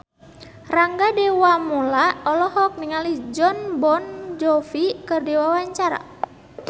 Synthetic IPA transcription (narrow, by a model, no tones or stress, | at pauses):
raŋɡadɛwamɔlaɔlɔɦɔk̚niŋalid͡ʒɔnbɔnd͡ʒɔfikɨrdɛwawaɲt͡ʃaɾa̰